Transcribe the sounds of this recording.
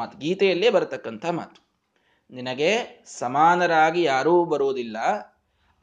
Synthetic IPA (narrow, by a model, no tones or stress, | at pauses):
aːt̪uɡiːt̪ɛjɐlːeːbɐɾɐt̪ɐkːɐnt̪ʰɐma̰ːt̪u̥ | ninɐɡe̞sɐmaːnɐɾaːɡijaːɾuːbɐɾuːd̪ilːɐ